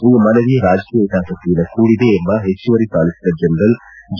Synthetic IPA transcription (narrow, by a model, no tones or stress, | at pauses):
iːmɐnɐʋijɐɾaːd͡ʒkijɐid̪aːpɐt̪ijɐlɐkuːɽid̪eːmbɐɦet͡ʃːuʋɐɾisaːlisid̪ɐd͡ʒɐnd̪ɐl | d͡ʒ